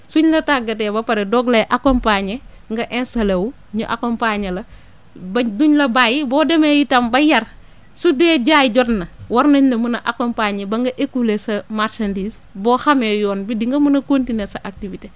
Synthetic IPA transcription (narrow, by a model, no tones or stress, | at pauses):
suɲlɐtaɡɐtɛːbɐpɐɾɛdɔɡlɐʔakɔmpaɲe | ŋɡɐʔɛnsɐlewu | ɲuʔa̰kɔmpaɲɐlɐ | bɐduɲlɐbaːjibɔːdɛmɛjitɐmbɐjɐr | sudɛːɟaːjɟɔtnɐwɐɾnɐɲlɐmunɐʔakɔmpaɲebɐŋɡɐʔekːulesɐmaɾʃɐndiːs | bɔːxɐmɛjɔːnbidiŋɡɐmunɐkontinesɐʔak̚tivite